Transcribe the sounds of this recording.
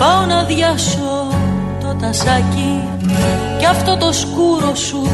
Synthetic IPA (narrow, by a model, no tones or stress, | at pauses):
pɐonɐðʝɐso | t̪ot̪ɐsɐci | ceɐft̪o̞t̪o̞skuɾo̞su